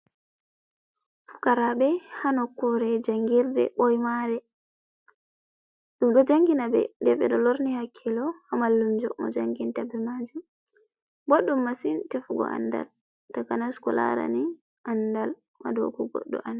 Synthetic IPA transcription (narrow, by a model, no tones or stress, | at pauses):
fu̥kaɾabɛhanɔkːɔɾɛd͡ʒaŋɡiɾdɛ̰ɓɔjmaɾɛ | ɗumɗɔd͡ʒaŋɡinabɛ̰dɛɓɛ̰ɗɔloɾnihakʰːɛlɔhamalːumd͡ʒɔmɔ̰d͡ʒaŋɡintabɛmad͡ʒum | boɗːumːasintɛfuɡɔ̰ʔa̰nda̰l | takanaskɔla̰ɾa̰ni | ʔandal | ma̰dɔ̰kɔɡɔ̰ɗːɔ̰ʔan